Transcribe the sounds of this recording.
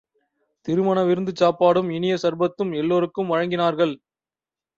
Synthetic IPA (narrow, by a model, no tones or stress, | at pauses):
t̪ɪɾɯmɐnɐʋɪɾɯnd̪ɯt͡ʃːaːpːaːɽɯmɪnɪjɐsɐɾbɐt̪ːɯmɛlːoːɾɯkːɯmʋɐɻɐŋɡɪnaːɾɣɐɭ